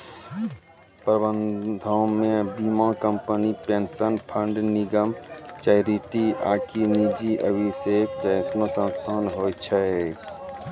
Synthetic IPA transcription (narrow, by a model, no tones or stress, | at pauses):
pɾəbənd̪ʱaõmẽbimãkəmpənipensənpʰə̃ɳɖniɡəmt͡ʃaɪɾiʈia̰ːkinid͡ʒiʔə̰bʱiseːkd͡ʒəɪsnosə̃nst̪ʰaːnɦoːt͡ʃʰəe